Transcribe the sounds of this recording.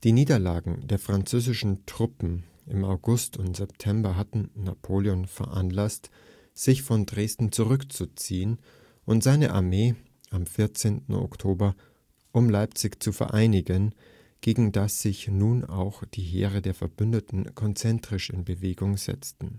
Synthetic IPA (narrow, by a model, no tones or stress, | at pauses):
d̥iːniːdɐlaːɡŋ̩deːɐfʁ̥ant͡søːzɪʃn̩tʁ̥ʊpm̩ | ʔɪmaʊɡʊstʊntz̥ɛp̚tʰɛmbɐɦatn̩napʰoːljɔnfɛɐʔanlast | z̥ɪçfɔndʁeːstn̩t͡suʁʏkt͡sut͡siːən | ʔʊntz̥aɪnəʔa̰ɐmeː | ʔamfɪɐt͡seːntn̩o̰ktʰoːbɐ | ʔʊmlaɪpt͡sɪçt͡sufɛ̰ɐʔaɪnɪɡən | ɡ̥eːɡŋ̩dasz̥ɪçnuːna̰ʊxd̥iːɦḛːʁədeːɐfɛɐbʏndətn̩kʰɔnt͡sɛntʁ̥ɪʃɪ̰nbəveːɡʊŋzɛ̰t͡stn̩